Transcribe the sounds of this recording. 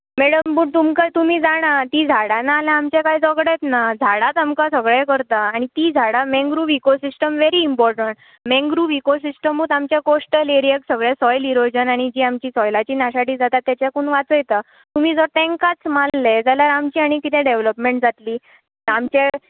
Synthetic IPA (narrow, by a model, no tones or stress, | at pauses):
mɛɽəmbuːɽt̪umkat̪um̤iːd͡zaɽ̃at̪iːd͡zʱaɽanaːlãːmt͡ɕekaid͡zɔɡɽet̪nad͡zʱaɽat̪amkasəɡɭekəɾt̪aːɽ̃it̪iːd͡zʱaɽamɛ̃ŋɡɾuʋikosisʈəmʋeɾiːmpɔɾʈəɳʈ | mɛ̃ŋɡɾuːʋikos̬isʈəmuːt̪amt͡ɕjakosʈəleɾijəksəɡɭɛsɔjliɾod͡ʑənaɽ̃id͡ʑiːamt͡ɕiːsɔjlat͡ɕiːnaɕaʈiːd͡zat̪at̪ːjat͡ɕjakuːɳʋat͡səjt̪a | t̪um̤iːd͡zəɾt̪ɛ̃ŋkat͡smalːed͡zaljaɾamt͡ɕiːaɽ̃ikit̪ʰɛ̃ɖeʋləpmeɳʈd͡zʱat̪liː | amt͡ɕe